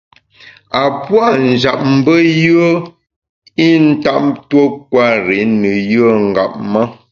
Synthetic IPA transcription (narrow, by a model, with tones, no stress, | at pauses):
a˨pwa˦˨n̩˨d͡ʒa̰˨p̚m̩˦bə˦jə˦ | i˦n̩˦ta˦˨ʔmtwo˦k̚wa˦ɾi˨˦nə˨jə˦˨ŋ̩˨ɡa̰˨p̚mə˦